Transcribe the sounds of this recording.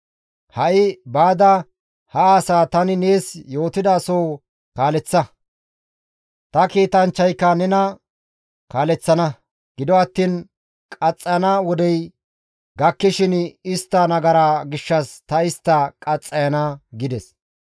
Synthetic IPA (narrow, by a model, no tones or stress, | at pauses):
hɐʔɪbaːd̪ɐ | hɐːsaːt̪ɐnɪneːsjo̞ːt̪ɪd̪ɐːsoː | kaːlɛt͡sːɐ | t̪ɐkiːt̪ɐnt͡ʃːɐjkːɐnɛnɐ | kaːlɛt͡sːɐnɐ | ɡ̥ɪd̪ɔɐt̪ːiːn | kʼɐt͡sʼːɐjɐnawɔd̪ɛj | ɡɐkːɪʃɪnɪst̪ːɐnɐɡɐɾaːɡɪʃːɐst̪ɐɪst̪ːɐkʼɐt͡sʼːɐjɐnɐɡɪd̪ɛs